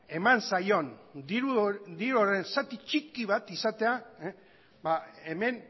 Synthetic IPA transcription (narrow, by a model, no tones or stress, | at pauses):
e̞mansajo̞ndiɾud̪iɾuore̞nsat̪it͡ʃikiβat̪isat̪e̞a | baeme̞n